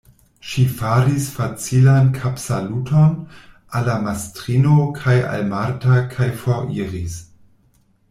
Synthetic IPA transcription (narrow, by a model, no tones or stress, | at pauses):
ʃifaɾisfat͡silankʰapsalutʰon | alamastʁinokʰaja̰lmaɾtakʰajfoɾiɾis